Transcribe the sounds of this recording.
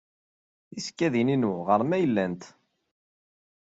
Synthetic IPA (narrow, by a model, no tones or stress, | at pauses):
iskːæðininuʁəɾˤmæjəlːænt̪